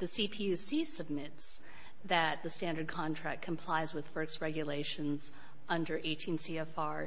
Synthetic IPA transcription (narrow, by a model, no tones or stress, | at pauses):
ðɨsipʰiʉsisɨb̚mɪts | ðɨt̪̚ðɨstæ̃ndə˞d̚kʰɑ̃ntʰɹ̥æ̰kkʰɨ̃mpʰl̥aɪzwɨð̥fɜ˞ks̚ɹɛɡjɨleɪʃɨ̃nz | ʌ̃ndə˞ʔeɪtʰĩnsiɛfɑɹ